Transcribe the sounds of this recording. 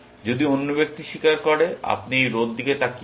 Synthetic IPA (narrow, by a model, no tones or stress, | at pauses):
d͡ʑod̪ionːobek̚t̪iʃikaɾkɔɾea̰pnijɾod̪ːiket̪aki